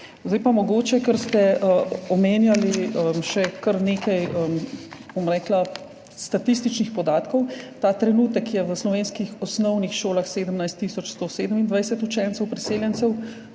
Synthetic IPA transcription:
zd̪ɛjpamɔɡoːt͡ʃɛkəɾst̪ɛəɔmeːnjaliəmʃɛkəɾneːkajəmbomɾɛːkla | st̪at̪ist̪it͡ʃnixpɔd̪aːt̪kɔwt̪at̪ɾɛnuːt̪əkjɛʋəslɔʋeːnskixɔsnɔwnixʃoːlaxseːd̪əmnajst̪ːisɔt͡ʃst̪oːseːd̪əmind̪ʋajsɛt̪ut͡ʃɛnt̪ɛwpɾiseːljɛnsɛw

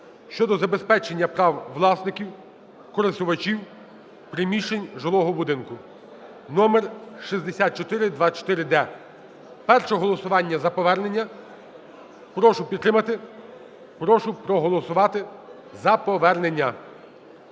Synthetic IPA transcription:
ʃt͡ʃɔd̪ɔzɐbespɛt͡ʃenʲːɐpɾɑwʋlˠɑsnɪkʲiw | kɔɾest̪ʊʋɐt͡ʃiw | pɾɪmʲiʃenʲʒelˠɔɦɔbʊd̪ɪnkʊ | nɔmerʃizʲd̪esʲat̪̚t͡ʃɔt̪ɪɾɪd̪ʋɑt͡ʃɔ̥t̪ɪɾɪd̪ɛ | pɛrʃɔɦɔlˠɔsʊʋɑnʲːɐzɐpɔʋɛrnenʲːɐ | pɾɔʃʊpʲid̪t̪ːɾɪmɐt̪ɪ | pɾɔʃʊpɾɔɦɔlˠɔsʊʋɑt̪ɪ | zɐpɔʋɛrnenʲːɐ

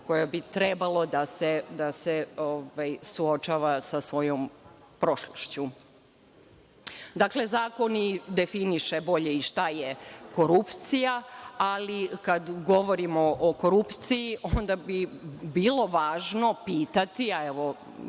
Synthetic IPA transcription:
ko̞jabit̪ɾɛbalˠo̞d̪ased̪aseoʋajsuot͡ʃaːʋasasʋo̞jom | pɾo̞ʃloʃt͡ɕu | d̪akle̞zaːko̞nid̪e̞finiʃe̞bo̞ʎe̞iʃt̪ajeko̞ɾupt̪sijaalikad̪ɡo̞ʋo̞ɾimoʔoko̞ɾupt̪sijiʔond̪abibiːlo̞ʋaːʒno̞piːt̪at̪iaeʋo̞

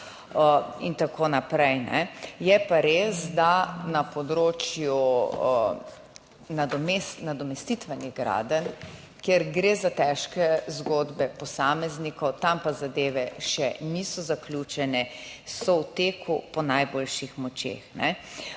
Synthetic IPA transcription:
int̪akoːnapɾɛjnɛ̰jɛpaɾeːsd̪anapɔd̪ɾoːt͡ʃju | nad̪ɔmesnad̪ɔmɛst̪it̪ʋɛniɣɡɾa̰d̪ən | kjeɾɡɾezat̪ɛʃkɛzɡod̪bɛpɔsaːmɛznikɔwt̪ampazad̪eːʋɛʃɛnisɔzaklʲjut͡ʃɛnɛsɔwt̪eːkʰupɔnajboːlʃixmɔt͡ʃḛxnɛ

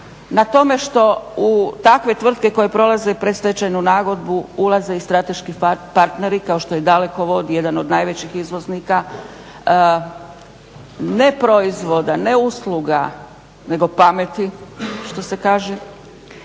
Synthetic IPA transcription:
nat̪o̞me̞ʃt̪o̞ut̪akʋe̞t̪ʋr̩t̪̚ke̞ko̞je̞pɾo̞lˠaze̞pɾest̪et͡ɕajnunaːɡo̞d̪buulˠaze̞ist̪ɾat̪e̞ʃkipaɾt̪ne̞ɾikao̞ʃt̪o̞jed̪ale̞ko̞ʋo̞d̪je̞d̪ano̞d̪najʋe̞t͡ɕixizʋo̞znika | ne̞pɾo̞izʋo̞d̪ane̞uslˠuɡa | ne̞ɡo̞pamet̪iʃt̪o̞se̞kaːʒe

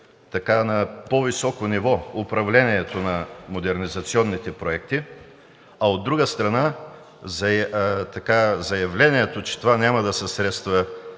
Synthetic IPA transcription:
t̪ɐkanɐpovisɔkonivɔʊpɾɐvlɛniɛt̪onɐmod̪ɛɾnizɐt̪siɔnːit̪ɛpɾoɛk̚t̪i | ɐod̪ːɾuɡəst̪ɾɐna | zt̪ɐkazɐjɐvlɛniɛt̪ot͡ʃɛ̥t̪ovanʲamɐd̪ɐsɛsɾɛt̪st̪və

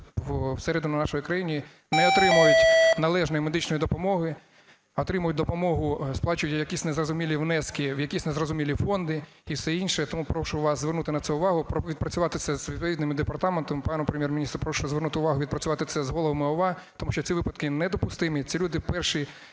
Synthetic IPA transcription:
wwsɛɾɛd̪ʊnɐnɑʃɔjikɾɐjinʲi | nɛɔt̪ɾɪmʊjʊtʲnɐlˠɛʒnɔjimed̪ɪt͡ʃnɔjid̪ɔpɔmɔɦɪ | ɔt̪ɾɪmʊjʊt̚ʲd̪ɔpɔmɔɦʊsplˠɑt͡ʃʊjʊtʲjɐkʲisʲnezrɔzʊmʲilʲiʋnɛskʲɪwjɐkʲisʲnezrɔzʊmʲilʲifɔnd̪ɪ | iwsɛinʲʃɛt̪ɔmupɾɔʃʊʋɑszʋernut̪ɪnɐt̪ɛʊʋɑɦʊpɔʋʲid̪̚pɾɐt͡sʲʊʋɑt̪ɪsʲɐzʋʲid̪̚pɔʋʲid̪nɪmɪd̪epɐrt̪ɑment̪ɔmɪpɑnɔpɾemʲjɛrmʲɪnʲist̪ɾʊpɾɔʃʊzʋernut̪ɪʊʋɑɦʊʋʲid̪̚pɾɐt͡sʲʊʋɑt̪ɪsɛzɦɔlˠɔʋɐmɪɔʋɑt̪ɔmuʃt͡ʃɔt͡sʲiʋɪpɐd̪kɪnɛd̪ɔpʊst̪ɪmit͡sʲilʲud̪ɪpɛrʃi

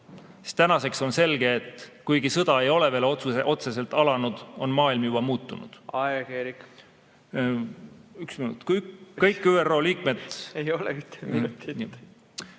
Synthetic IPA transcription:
si̥st̪t̪ænɑse̞kso̞nse̞lɡ̥e̞ːt̪ːkujɡ̥isɤd̪̥ɑe̞jo̞le̞ve̞ːlot̪suʔo̞t̪se̞se̞lt̪ˑɑlɑnud̪̥o̞nmɑːilmjub̥ɑmuːt̪ːunṵd̪̥ɑkeɾik | yksminṵt̪kkɤjkːyːero̞ːliːkme̞d̪̥ejolɛ̰yt̪ːmt̪i

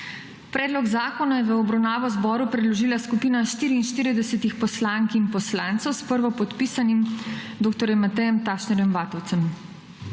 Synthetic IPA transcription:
pɾɛːd̪lɔɡzaːkɔnajɛʋəɔbɾawnaːʋɔzbɔːɾupɾɛd̪lɔʒiːlaskupiːnaʃt̪iːɾiːnʃt̪iːɾid̪ɛsɛt̪ixpɔslaːŋkinpɔslaːnt̪səwspəɾʋɔpɔt̪piːsanimd̪oːk̚t̪ɔɾjɛmːat̪ɛjɛmt̪aːʃnɛɾjɛmʋaːt̪ɔwt̪səm

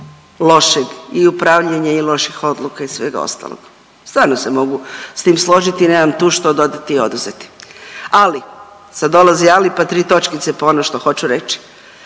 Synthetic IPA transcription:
lˠo̞ʃeɡiupɾaʋʎeɲailo̞ʃixo̞d̪lˠukaisʋe̞ːɡa̰o̰st̪a̰ːlˠo̰ɡ̥ | st̪vaːɾnose̞mo̞ɡust̪iːmslˠo̞ʒit̪ineːmamt̪uːʃt̪o̞d̪o̞d̪at̪io̞d̪uzet̪i̥ali | sad̪o̞lazialipat̪ɾiːt̪o̞t͡ʃkit̪sepoonoʃt̪o̞xo̞t͡ɕuɾe̞t͡ʃi̥

